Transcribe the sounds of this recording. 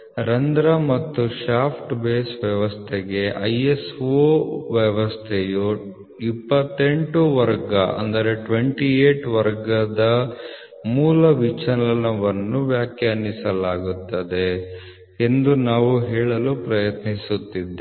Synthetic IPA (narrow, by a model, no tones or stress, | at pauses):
ɾɐnd̪ɾɐmɐt̪ːuʃaːpʰʈbeːsʋjɐʋɐst̪ʰeɡe̞ʔɐjesoʋjɐʋɐst̪ʰeju | ipːɐt̪ːe̞ɳʈuʋɐɾɡɐɐ̰nd̪ɐɾe̞ʈʋeɳʈieːʈʋɐɾɡɐd̪ɐ | muːlɐʋit͡ʃɐnɐnɐʋɐnːuʋjaːkjɐɐnːisɐlaːɡut̪ːɐd̪e | end̪unaːʋuɦeːɭɐluːpɾɐjɐt̪nisut̪ːid̪ːe